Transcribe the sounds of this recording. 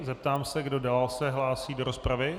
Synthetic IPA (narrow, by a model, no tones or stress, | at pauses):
zɛp̚t̪aːmsɛɡdo̞dalalsɛɦlaːsiːdo̞ɾo̞spɾavɪ